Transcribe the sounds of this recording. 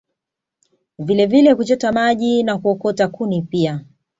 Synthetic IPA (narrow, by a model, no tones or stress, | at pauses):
vilɛvilɛkut͡ʃɔtamaʄinakuɔkɔtakunipia